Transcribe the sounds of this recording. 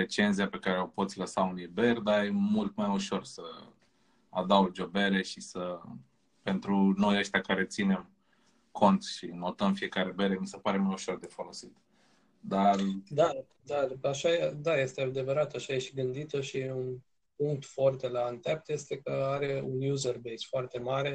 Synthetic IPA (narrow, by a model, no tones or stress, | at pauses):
et͡ʃe̞nziape̞kaɾe̞o̞pot̪sʲləsaunijbe̞rd̪ajemult̪majuʃo̞rsə | a̰d̪awd͡ʒo̞be̞ɾe̞ʃisə | pe̞nt̪ɾuno̞jəʃt̪ʲeakaɾe̞t̪sine̞m | kʰo̞nt̪ʃino̞t̪əmfije̞kaɾe̞be̞ɾe̞mise̞paɾe̞majuʃo̞rd̪e̞fo̞lo̞sit̪ | d̪ard̪a | d̪aaʃad̪aje̞st̪ead̪e̞vəɾat̪aʃajeʃiɡɨnd̪it̪əʃiun | puŋk̚t̪foart̪e̞laɨnt̪ap̚t̪je̞st̪e̞kəaɾe̞unjuzerbesfoart̪e̞maɾe̞